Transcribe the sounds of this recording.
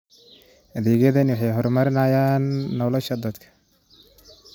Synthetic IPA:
ɐðɛːɣɛðɐnwɑħɑjɦɔɾmɐɾɪnaːjaːnːɔlɔʃɐd̪ɐd̪kʰɐ̥

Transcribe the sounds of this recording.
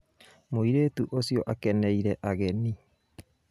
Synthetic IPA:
moiɾeːtuʔosjoʔakɛnɛiɾɛʔaɣeni

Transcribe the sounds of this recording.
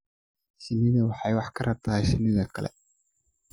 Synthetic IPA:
ʃɪnɪðɐwɑħɑjwɑħkʰɐrʔɐb̚t̪ʰɐhɛjʃɪnːɪðɐkʰɐlɛ̰

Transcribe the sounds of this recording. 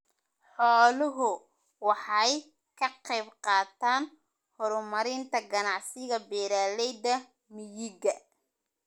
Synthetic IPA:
ħɔːlʊɦʊ | wɑħɑj | kʰɐqɛjbqɑːt̪ʰaːn | hɔɾʊmɐɾɪnt̪ʰɐɡɐnɑʕsɪɣɐbɛːɾaːlɛjd̪ɐ | mɪjɪɣɐ

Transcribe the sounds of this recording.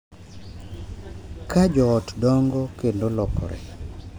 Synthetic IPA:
kad͡ʒɔːtdɔŋɡɔkendolɔkɔ̰ɾɛ̰

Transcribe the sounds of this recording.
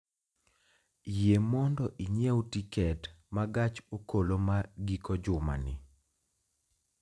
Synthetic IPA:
jemɔndɔʔiɲewtikɛtmaɡat͡ʃokolomaɡikɔd͡ʒʊma̰nɪ̰

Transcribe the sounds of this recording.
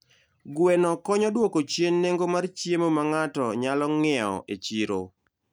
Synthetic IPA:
ɡwenɔkɔɲɔdwokot͡ʃjenːeŋɡomart͡ʃjemomaŋatɔɲalɔŋɪɛɔ̰ʔet͡ʃiɾo̰

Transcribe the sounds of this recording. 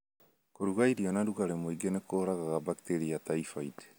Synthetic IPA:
koɾuɡajɾionaɾuɡaɾemojɡenekʰoɾaɡaɡabakiteɾiatajfajte̥

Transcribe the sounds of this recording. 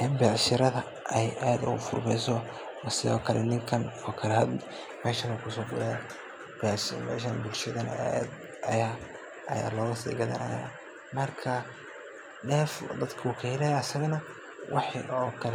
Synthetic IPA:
ʔɛmbɛʕʃɪɾɐðɐ | ʔɛjʔaːd̪ʊfʊ̰rmɛjsɔ | ɑsɪðɔ̰ːkʰɐlɛ̰nɪŋkʰɐnɔːkʰɐlɛhɐd̪ | mɛːʃɐnɐkʰʊsɔːɡʊɾɛ | bɛʕʃmɛ̰ːʃɐnbʊlʃɐðɐnɐ̰d̪ | ɐjaː | ɐja̰ːlɔːɣɐsḭːɡɐðɐ̰nɐ̰ja̰ː | mɐrkʰɐ | ɖɛːfd̪ɐd̪kʰɐuːkʰɐhɪlɐjɐsɐɣɐnɐ | wʔɑħɔːkʰɐl

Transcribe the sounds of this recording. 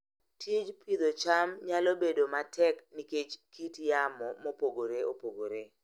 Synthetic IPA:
tʰid͡ʒpʰid̪ot͡ʃamɲalɔbedomatʰɛkniket͡ʃkʰitjamɔmopoɡoɾeopoɡoɾe

